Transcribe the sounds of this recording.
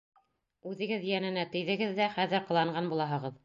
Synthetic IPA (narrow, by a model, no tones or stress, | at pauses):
ʉðɘ̆ɡɘðjænɘ̆næt̪ɘ̆jðɘ̆ɡɘðːæχæðɘɾqɤ̆lˠɑɴɢɑnbulˠɑɦɤ̆ʁɤð